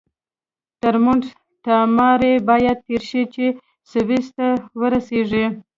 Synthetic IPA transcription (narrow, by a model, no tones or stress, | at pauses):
t̪əɾmuɳɖ | ʈ̪ɑmɑɾebɑjad̪̚t̪eɾʃit͡ʃe | sɪbist̪awəɾaseʐi